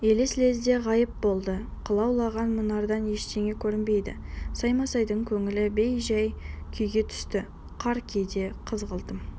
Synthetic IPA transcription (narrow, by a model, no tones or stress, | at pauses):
elesɪle̞zd̪e̞ʁɑjəp̚bo̞lˠd̪ə | qʰəlˠɑwlˠɑʁɑnmənɑɾd̪ɑnje̞ʃt̪ʰe̞ŋe̞kʲʰɵɾɪmbe̞jd̪ɪ̰sɑjmɑsɑjd̪əɴkʲʰɵŋɪlɪbejʒɑjkʲʰʏjɡʲe̞t̪ʰʏ̥st̪ɪ | qʰɑɾkʲʰejd̪e̞qʰəzʁəlˠd̪əm